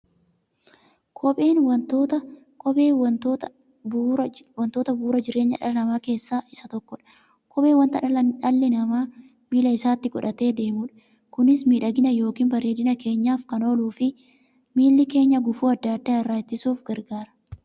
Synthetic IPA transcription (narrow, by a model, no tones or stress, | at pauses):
kʰɔpʼe̞ːnwɐnt̪oːt̪ɐ | kʼɔpeːwɐnt̪oːt̪ɐ | bwɐnt̪oːt̪ɐbuːɾɐd͡ʒɪɾe̞ːɲːɐ̰ᶑɐ̰lɐnɐmaːke̞ːsːaːʔɪsɐt̪ɔkːɔᶑɐ̥ | kʰʼɔpeːwɐnt̪ɐɐᶑɐlːɪnɐmaː | miːlɐɪsaːt̪ːɪkɔᶑɐt̪e̞ːd̪e̞ːmuːᶑɐ̥ | kʊnɪsmiːᶑɐɡɪnɐjo̞ːkiːnbɐɾe̞ːd̪ɪnɐke̞ːɲːaːfkɐno̞ːluːfɪ | miːlːɪke̞ːɲːɐɡʊfuːɐd̪ːaːd̪ːaːɪrːaːt͡ʃːɪsuːfɡɐɾɡaːɾɐ̥